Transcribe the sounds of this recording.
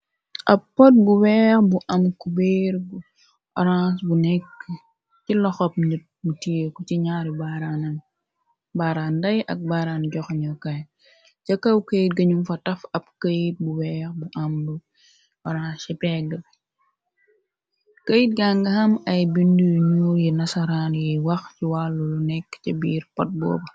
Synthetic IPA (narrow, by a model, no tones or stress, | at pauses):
ʔɐpːɔt̚buwɛːxbuʔɐmkubeɾu | ʔɔ̰ɾãsbunɛkː | cilɔxɔp̚ɲut̚mutikut͡ʃiɲaːɾibaɾanɐn | baːɾaːndɐjʔɐk̚baɾanɟɔxɲɐkɐj | t͡ʃɐkːɐwkəjt̚ɡɐɲumfɐtɐfɐp̚kɐjit̚buwɛːxbuʔamlu | wɔɾasipɛːɡə | kəjit̚ɡaŋɡɐhɐmɐjbindujɲuːjinɐsɐɾanjɛwɐxciwalːulunɛkːcibiːɾpɔt̚bɔ̰ːbɐ